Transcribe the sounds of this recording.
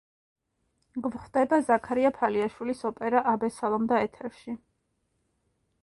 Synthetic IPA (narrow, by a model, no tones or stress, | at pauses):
ɡvχd̪ɛbazakʰaɾiapʰaliaʃwilisɔpʼɛɾaʔabɛsalˠɔmd̪aɛt̪ʰɛɾʃi